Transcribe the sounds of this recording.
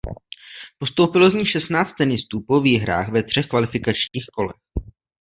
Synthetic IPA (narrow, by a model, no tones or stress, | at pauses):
po̞st̪owpɪlo̞zɲiːxʃɛst̪naːt͡st̪ɛnɪst̪uːpo̞viːɦɾa̰ːxvɛt̪r̝̥ɛxkvalɪfɪkat͡ʃɲiːxko̞lɛ̰x